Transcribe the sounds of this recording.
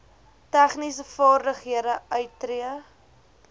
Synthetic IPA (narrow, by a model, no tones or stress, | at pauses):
tæχnisəfɑːrdəχɦiəɾəʔœɥtːriə